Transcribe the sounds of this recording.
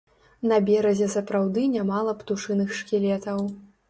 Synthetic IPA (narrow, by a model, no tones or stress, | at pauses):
nɐbʲɛɾɐzʲɛsɐpɾawd̪ɨnʲamalˠɐpt̪uʂɨnɨxʂkʲilʲɛt̪ɐw